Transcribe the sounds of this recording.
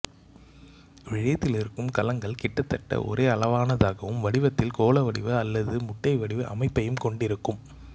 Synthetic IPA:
ʋɪɻɐjɐt̪ːɪlɪɾɯkːɯmkɐlɐŋɡɐɭkɪʈːɐt̪ːɐʈːɐ̰ʔɔ̰ɾeːɐlɐʋaːnɐðaːɣɐʋɯmʋɐɽɪʋɐt̪ːɪlkoːlɐʋɐɽɪʋɯɐlːɐðɯmʊʈːɐɪʋɐɽɪʋɯʔɐ̰mɐɪpːɐjɯmkɔɳɖɪɾɯkːɯm

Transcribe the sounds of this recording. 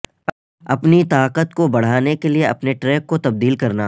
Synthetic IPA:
ɐpnit̪aːqət̪kobɐɽ̤aːnekelieɐ̰pneʈɾeːk̚ːot̪ɐb̚d̪iːlkɐɾnaː

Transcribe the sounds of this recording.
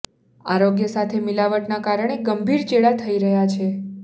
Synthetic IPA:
aɾoɡjəsat̪ʰemilaʋəʈnakaɾəɳ̃eɡəmbʱiɾt͡ʃeɭat̪ʰəiɾəɦjat͡ʃʰe

